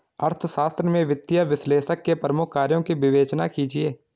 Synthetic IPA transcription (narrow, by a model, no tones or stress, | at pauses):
ɐɾt̪ʰʃaːst̪ɾəmẽʋɪt̪ːjəʋɪsleːʃəkːepɾəmʊkʰːaːɾjõkibɪʋeːt͡ʃnakiːd͡ʒieː